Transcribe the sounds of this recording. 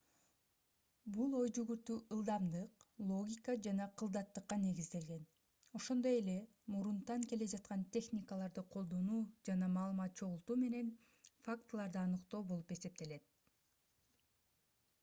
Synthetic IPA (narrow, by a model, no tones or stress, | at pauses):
bulˠo̞jd͡ʒyɡyɾt̪yʔɯlˠd̪ɑmd̪ɯqlˠo̞ɡʲikad͡ʒɑnɑqʰɯlˠd̪ɑt̪ːɯqːɑne̞ɡizd̪e̞lɡe̞n | o̞ʃo̞nd̪o̞je̞le̞ | muɾunt̪ɑŋke̞le̞d͡ʒɑt̪̚qɑnt̪ʲe̞xnʲikalˠɑɾd̪ɯqʰo̞lˠd̪o̞nuːd͡ʒɑnɑmɑːlˠɯmɑt̪̚t͡ʃʰo̞ʁulˠt̪uːme̞ne̞n | fakt̪lˠɑɾd̪ɯɑnɯqt̪o̞ːbo̞lˠupe̞se̞p̚t̪e̞le̞t̪̚